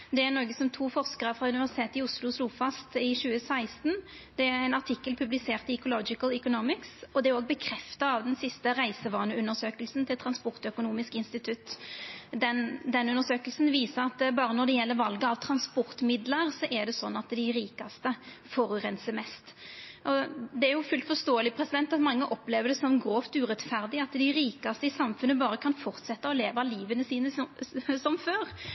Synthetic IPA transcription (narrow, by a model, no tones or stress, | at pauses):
d̪ɛænɔːɡəsɔmt̪ʰuːfɔʁskəʁəfɾɑʉnɪʋæsɪ̥t̪ʰeːt̪ɪʊslʊsluːfɑst̪ɪɕʉːəsæɪst̪n̩ | d̪̥ɛæɾæɪnɑʈʰɪkːəlpʰʉblɪseːʁt̪ɪɛkʊlɔd͡ʒɪkəlʏkʊnɔmɪksɔd̪ɛæɾoːɡ̚bəkʰɾɛft̪ɑɑʋd̪ɛnsɪst̪əʁæɪsəʋɑːnəʉnːəʂøːkəlsnt̪ʰɪlt̪ʰɾɑnspɔʁt̪œkʊnuːmɪskɪnst̪ɪt̪ʰʉt̪ːd̪ɛnd̪ɛnʉnːəʁʂsøːkəlsn̩ʋiːsəɾɑt̪bɑːɾənɔɖ̪ɛjɛlːəɾʋɑlɡəɑʋt̪ʰɾɑnspɔɾt̪mɪd̪ləɾsɔʔɛɾɖ̪ɛsɔnːɑt̪d̪ɪɾiːkɑst̪ə | fɔɾʉʁɛnsəmɛst̪ʔɔd̪ɛæɾjʊfʉlt̪fɔst̪oːəlɪpʰɾɛsɪd̪ɛnt̪ɑt̪mɑŋːəʔɔpleːʋəɖ̪ɛsɔmɡɾoːft̪ʉːɾɛt̪fæʁd̪ɪɑt̪d̪ɪɾiːkɑst̪əɪsɑmfʉnːəbɑːɾəkʰɑnfɔʁt̪sɛt̪ːəɔleːʋɑliːʋənəsiːnəssɔmføːɾ